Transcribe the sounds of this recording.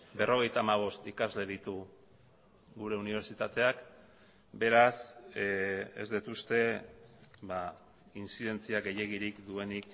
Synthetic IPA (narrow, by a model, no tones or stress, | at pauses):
be̞ro̞ɣ̞e̞jt̪aːmaβ̞o̞st̪ikazle̞ðit̪u | ɣuɾe̞uniβ̞e̞ɾt͡ʃit̪at̪e̞ak | be̞ɾas | ḛzd̪it̪ust̪e̞ | βa | insið̞e̞nt͡siaɡe̞je̞ɣiɾikd̪ue̞nik